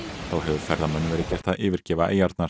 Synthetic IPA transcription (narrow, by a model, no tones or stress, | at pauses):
θawɦɛvʏfɛɾðamɛnːɪvɛːɾɪcɛr̥t̪aðʔɪːvɪɾ̥cɛːvaʔeːjaɾt̪naɾ̥